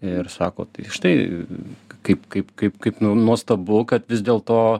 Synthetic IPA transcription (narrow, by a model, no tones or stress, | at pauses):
ɪɾsɑːko̰ːt̪ʃt̪ɐɪ | kɐɪpkɐɪpkɐɪpkɐɪpnunuɔst̪ɐbʊkɐt̪ʋʲɪzʲd̪ʲeːlˠt̪oː